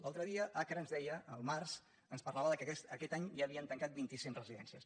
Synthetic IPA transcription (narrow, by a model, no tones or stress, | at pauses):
lalˠt̪ɾəðiəʔakɾəːnzðɛjəəlˠmars | ənspərlaβəðəkɛsəkɛt̪aɲʒaːβiənt̪əŋkat̪̚bint̪isiŋrəziðɛ̰nsiəs